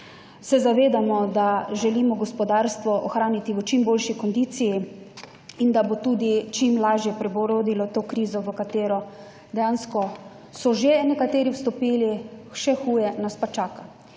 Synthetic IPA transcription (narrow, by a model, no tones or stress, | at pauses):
sɛzaʋeːd̪amɔd̪aʒɛlimɔɡɔspɔd̪aːɾst̪ʋɔʔɔxɾaːnit̪iʋət͡ʃimboːlʃikɔnd̪iːt̪siji | ind̪abot̪uːd̪it͡ʃimlaːʒjɛpɾɛboɾoːd̪ilɔt̪oːkɾiːzɔʋəkat̪eːɾɔ | d̪ɛjaːnskɔ | sɔʒenɛkat̪eːɾiwst̪ɔpiːliʃɛxuːjɛnaspat͡ʃaːka